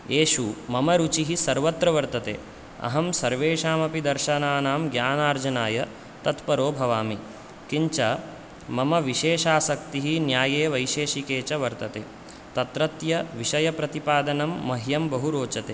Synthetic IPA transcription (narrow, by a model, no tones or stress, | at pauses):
eːʃumɐmɐɾut͡ʃiɦisɐɾʋɐt̪ɾɐʋɐɾt̪ɐt̪ḛː | ɐ̰ɦɐmsɐɾʋeːʃaːmɐpid̪ɐɾʃɐnaːnaːmɡjaːnaːɾd͡ʒɐnaːjɐ | t̪ɐt̪pɐɾoːbʱɐʋaːmi | kiɲt͡ʃɐ | mɐmɐʋiʃeːʃaːsɐkt̪iɦinjaːjeːʋɐjʃeːʃikeːt͡ʃɐʋɐɾt̪ɐt̪eː | t̪ɐt̪ɾɐt̪jɐʋiʃɐjɐpɾɐt̪ipaːd̪ɐnɐmːɐɦjɐmbɐɦuɾoːt͡ʃɐt̪eː